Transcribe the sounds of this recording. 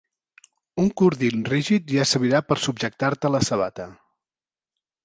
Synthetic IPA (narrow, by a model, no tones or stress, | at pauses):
uŋkuɾðinriʒit̪ʒasəɾβiɾapəɾsubʒək̚t̪aɾt̪ələsəβ̞a̰t̪ə